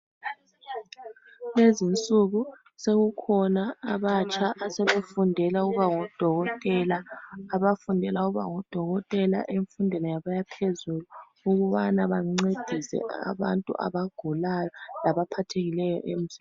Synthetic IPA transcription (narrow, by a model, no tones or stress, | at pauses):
lezint͡sʼuɣu | seɣukʰɔnaːβat͡ʃʰʼaʔːsɛβefundʱɛlauɣuβaŋɔd̥ʱɔɣɔtʼɛlaːβafundʱɛlauɣuβa̰ŋɔd̥ʱɔɣɔtʼɛla̰ʔeɱfundʱɛnɛjaβajapʰezulu | uɣuβanaβaŋ͡ǀed̥ʱisɛ̰ʔa̰βa̰ntʼṵʔa̰βaɡ̥ʱulajɔlaβapʰatʰeɣilɛjɔ̰ʔem̩z̥i